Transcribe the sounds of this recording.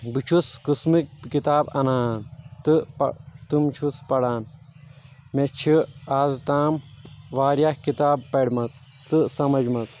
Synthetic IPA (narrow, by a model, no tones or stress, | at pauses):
bɨt͡ʃʰuskɨsmikkit̪aːbɐ̰naːnt̪ɨpɐt̪umt͡ʃʰuspɐɽaːn | met͡ʃʰiaːzt̪aːmʋaːɾjakkit̪aːbpɐɽʲmɐt͡s | t̪ɨsɐmɐd͡ʒmɐt͡s